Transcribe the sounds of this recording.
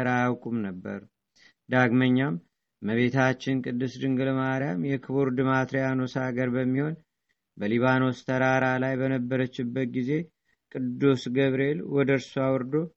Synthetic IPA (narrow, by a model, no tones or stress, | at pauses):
ɾajawkʼumnəbːə̰ɾ | d̪aɡməɲːamː | əβe̞t̪ʰat͡ʃːɪnkʼɨd̪ːɨsd̪ɨŋɡɨlmaɾjamjɛkʰɨβuɾd̪ɨmat̪ɾijano̞saɡəɾbəmːiho̞n | bəliβano̞st̪ʰəɾaɾalajbənəbːəɾət͡ʃːɪbːət̪̚ɡize̞ | kʼɨd̪ːusɡəβɾe̞lwɔd̪əɾsuawɔɾd̪o̞